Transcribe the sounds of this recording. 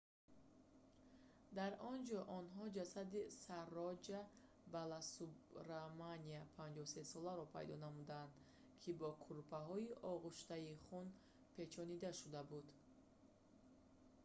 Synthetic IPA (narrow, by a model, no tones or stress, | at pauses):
d̪aɾɔnd͡ʒɔʔɔnɦɔd͡ʒasad̪isarːɔd͡ʒa | balasubɾamaniapʰand͡ʒɔsesɔlaɾɔpʰa̰jd̪ɔnamud̪and̪ | kʰibɔkʰuɾpʰaɦɔiʔɔʁuʃt̪aiχun | pʰe̞t͡ʃʰɔnid̪aʃud̪abud̪